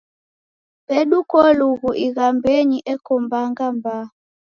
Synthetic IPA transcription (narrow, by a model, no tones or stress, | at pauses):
pɛɗukɔluɣuʔiɣambɛɲiʔɛkɔmbaŋɡamba